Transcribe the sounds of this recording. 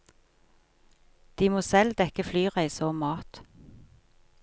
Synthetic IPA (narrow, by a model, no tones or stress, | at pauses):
d̪̥iːmoːsɛld̪ɛkəflyːʁæɪsəoːmɑːt̪